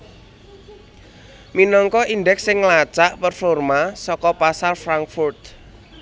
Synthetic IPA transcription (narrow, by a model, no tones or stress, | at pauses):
minɔŋkɔʔinɖɛksɪŋlat͡ʃaʔpərfɔrmasɔkɔpasalfɾaŋkfurt̪̚